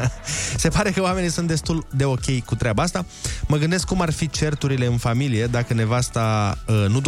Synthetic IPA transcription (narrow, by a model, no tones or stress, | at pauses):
se̞paɾe̞kəoame̞nijsunt̪̚d̪e̞st̪uld̪e̞o̞kʲe̞jkut̪ɾeabaast̪a | məɡɨnd̪e̞skːumarfit͡ʃe̞rt̪uɾile̞ɨnfamilije̞d̪akəne̞vast̪aənud̪